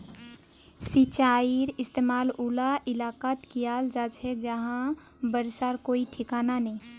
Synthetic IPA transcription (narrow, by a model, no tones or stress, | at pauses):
sit͡ʃaiɾɪst̪emaːlulaʔɪlakat̪kijald͡ʒat͡ʃʰɛd͡ʒəɦã | bəɾsaɾkoiʈʰɪkaːnanəĩ